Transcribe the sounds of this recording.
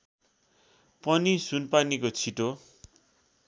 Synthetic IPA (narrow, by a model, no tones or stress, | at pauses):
pʌnisunpanikot͡sʰiʈo